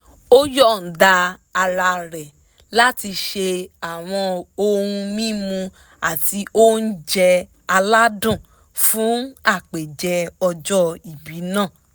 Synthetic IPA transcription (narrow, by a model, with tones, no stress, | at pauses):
o˦jɔ˦˨n̩˨da˧a˧ɾa˧ɾɛ˨ | la˦ti˧ʃe˧a˨w̃ɔ̃˧o˧ɾũ˧mĩ˦mũ˧ | a˨ti˧o˦n̩˦d͡ʒɛ˧ | a˧la˦dũ˦˨ | fũ˨˦a˦˨k͡pe˨d͡ʒɛ˧ɔ˧d͡ʒɔ˦i˨bi˨˦nãː˦˨